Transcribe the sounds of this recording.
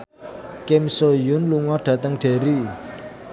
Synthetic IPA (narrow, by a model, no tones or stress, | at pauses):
kemsojʊnluŋɔɖ̥ä̤t̪əŋɖ̥e̤ɾi